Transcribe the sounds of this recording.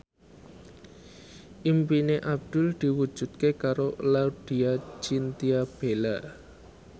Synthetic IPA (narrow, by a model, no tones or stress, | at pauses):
ʔimpineʔab̚d̪̥ʊ̤ld̪̥i̤wud̥ʒ̥ṳt̪̚kekaɾolauɖ̪̥iat͡ʃint̪iab̥ela